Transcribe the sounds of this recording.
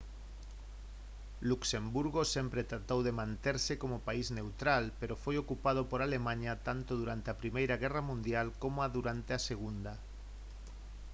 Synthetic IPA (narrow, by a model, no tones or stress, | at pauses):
luksembuɾɣosempɾet̪ɾat̪owðemãnt̪eɾsekomopaiznewt̪ɾalpeɾofojokupað̞opoɾalemãɲat̪ant̪oðuɾant̪eapɾimejɾaɣ̞ɛramũnd̪jalkomoaðuɾant̪easeɣund̪a